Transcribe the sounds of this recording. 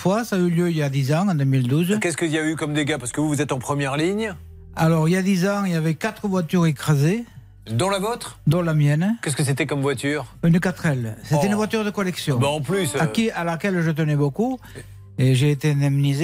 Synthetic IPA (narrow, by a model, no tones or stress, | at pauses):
fwasaːyljøiljad̪izɑ̃ɑ̃d̪ømild̪uzkʲɛskəzijaveykɔmd̪eɡapaʁsəkəvuvuzɛt̪ɑ̃pχəmjɛʁliɲ | alɔʁiljad̪izɑ̃iljavɛkat̪χəvwat̪yʁekχaze | d̪ɔ̃lavɔt̪χd̪ɔ̃lamjɛnkʲɛskəs̬et̪ɛkɔmvwat̪yːʁynəkat̪χɛlset̪ɛynəvwat̪yʁd̪əkɔlɛksjɔ̃bɛɑ̃plysakialakɛlʒət̪̬ənɛboku | eʒeːt̪eɛ̃d̪ɛmnize